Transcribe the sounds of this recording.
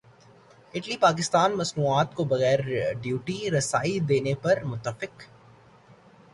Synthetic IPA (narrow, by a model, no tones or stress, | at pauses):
ɪʈlipaːk̬ɪst̪aːnmɐsmuːaːt̪kobɐɣɛːɾɖjuːʈiɾɐsaːid̪eːnepɐɾmʊt̪ːəfɪq